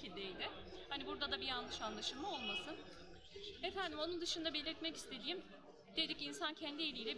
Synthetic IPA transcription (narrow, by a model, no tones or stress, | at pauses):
id̪ejd̪ɪhanibuɾd̪ad̪abianlˠɯʃanlˠaʃɯlˠmao̞lˠmasɯn | efænd̪imo̞nund̪ɯʃɯnd̪abe̞lʲiɾt̪mɛci̥st̪ʰe̞d̪iːm | d̪̥ed̪icinsancʰɛnd̪ie̞lʲiːlʲɛ